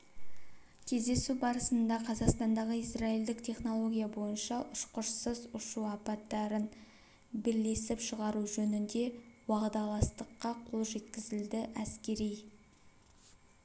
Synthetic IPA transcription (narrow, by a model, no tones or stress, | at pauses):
kʲʰe̞zd̪e̞subɑɾəsənd̪ɑqʰɑzɑqst̪ɑnd̪ɑʁəisrɑild̪ɪkt̪ʰe̞χno̞lˠo̞ɡʲijabo̞jənʃɑʔʊʃqʊʃsəzʊʃuɑpɑt̪ːɑɾən | bɪɾle̞sɪpʃəʁɑɾuʒɵnɪnd̪e̞wɑʁd̪ɑlˠɑst̪əqːɑqʰo̞lˠʒe̞t̪kʲɪzɪld̪ɪʔæskʲe̞ɾij